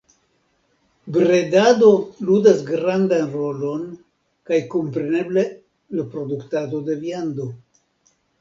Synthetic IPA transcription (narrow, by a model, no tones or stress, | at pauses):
bɾe̞dado̞ludasɡɾandanɾo̞lo̞n | kajko̞mpɾe̞ne̞ble̞ | lapɾo̞duktado̞de̞viando̞